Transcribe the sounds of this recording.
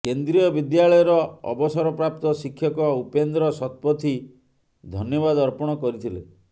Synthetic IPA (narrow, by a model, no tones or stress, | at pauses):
kend̪ɾijɔbid̪jaɭɔjɔɾɔɔ̰bɔsɔɾɔpɾap̚t̪ɔsikʰːjɔkɔupend̪ɾɔsɔt̪̚pɔt̪ʰi | d̪ʱɔnjɔbad̪ɔɾpɔɽ̃ɔkɔɾit̪ʰilḛ